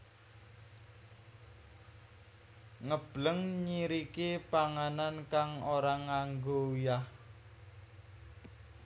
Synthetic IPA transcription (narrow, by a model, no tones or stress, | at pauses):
ŋəb̥ləŋɲiɾikepaŋanankaŋoɾaŋaŋɡoujah